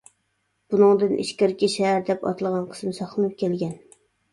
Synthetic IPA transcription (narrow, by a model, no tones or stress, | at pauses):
b̥unɨŋd̪ɨnʔḭʃkʲɪɾkʲiʃɛɦːɾd̪ɛpɑ̰t̪ʰɨlˠʁɑnqʰə̥smɨsɑχlˠɨnɨp̚kʲɛlɡʲɛn